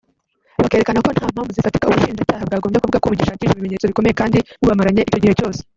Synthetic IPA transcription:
βakeɾekanako̞n̥haːm̥haːmvuzifati̥kauβuʃiːnd͡ʒacaːhaβɡaːɡomjekuvuɡakoβuɟiʃaːciːʃiβimeɲe̞ːt͡so̞βiko̞me̞jekaːndiuβamaɾaɲe̞ʔico̞ɟihe̞co̞ːse̥

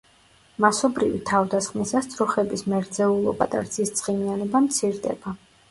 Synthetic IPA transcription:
masɔbɾivit̪ʰavd̪asχmisast̪sʰʼɾɔχɛbismɛɾd̪zɛulˠɔ̰ba̰t̪ʼa̰ɾt̪sʰist̪sʼχʼimianɔbamt̪sʰiɾd̪ɛ̰b̥a

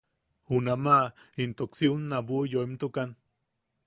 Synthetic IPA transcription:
hunamaint̪oksiunːabujoemt̪ukan

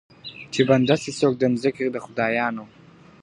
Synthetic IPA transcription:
tʰibɐndɐsisok̚ʼdɐmzɨkʲʰʼidɐχʷʊdaːjaːno

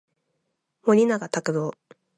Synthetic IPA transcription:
moɲʲinaɡat̪akɯd̪oː

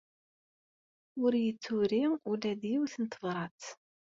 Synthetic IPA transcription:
ʊɾjət͡sːʊɾiʊlæðjiwθənt̪əvɾˤɑt͡s̪

